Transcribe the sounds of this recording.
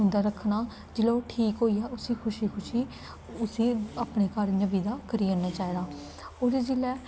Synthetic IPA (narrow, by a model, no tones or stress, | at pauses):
ʊ̃nd̪aːɾəkʰːnaː | d͡ʒɪloːʈʰiːkɦoːiːɛːʔʊsĩːkʰʊʃiːkʰʊʃiː | ʊsĩːaːpɽeːkəɾnəbiːd̪aːkəɾiːõːnːaːt͡ʃaːeːɾaː | oːɾid͡ʒɪlɛː